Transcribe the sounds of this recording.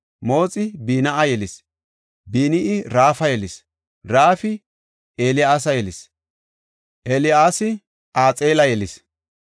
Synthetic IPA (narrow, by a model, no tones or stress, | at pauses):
mo̞ːt͡sʼɪbiːnɐʔɐjɛlɪs | biːnɪʔɪɾaːfɐjɛlɪs | ɾaːfɪ | ʔeːlɪaːs̬ɐjɛlɪs | ʔɛlɪaːsɪ | ʔaːt͡sʼeːlɐjɛlɪs